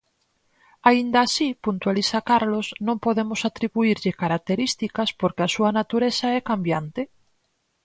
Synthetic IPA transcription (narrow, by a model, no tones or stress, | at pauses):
aind̪aːsipunt̪walisakaɾlosnõŋpoðemosat̪ɾiβuiɾʎɪkaɾak̚t̪eɾist̪ikaspoɾkeasuɐnat̪uɾesaɛkambjant̪e